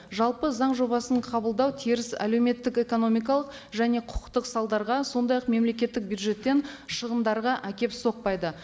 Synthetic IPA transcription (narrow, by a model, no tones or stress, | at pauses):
ʒɑlˠpəzɑɴʒo̞bɑsəɴqʰɑbəlˠd̪ɑwt̪ʰiɾɪsæ̰le̞wme̞t̪ːɪke̞ko̞no̞mijk̬ɑlˠəqʒæne̞qʰʊ̥qə̥qt̪əqsɑlˠd̪ɑɾʁɑso̞nd̪ɑjɑqme̞mle̞kʲe̞t̪ːɪk̚bjud̪ʒe̞t̪ːe̞nʃəʁənd̪ɑɾʁɑʔækʲe̞pso̞q̚pɑjd̪ə